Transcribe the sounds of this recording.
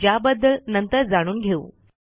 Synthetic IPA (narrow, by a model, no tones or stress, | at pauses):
d͡ʑjabəd̪ʱːəlnənt̪əɾd͡zaɽ̃uːnɡʱeṵ